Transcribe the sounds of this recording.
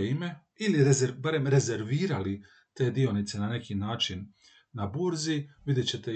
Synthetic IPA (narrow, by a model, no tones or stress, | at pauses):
ime̞ | iliɾezeɾbaɾe̞mɾe̞ze̞ɾʋiːɾali | t̪e̞ːd̪io̞nit̪se̞nane̞kinaːt͡ʃinː | abuɾziʋid̪jet͡ɕe̞t̪e̞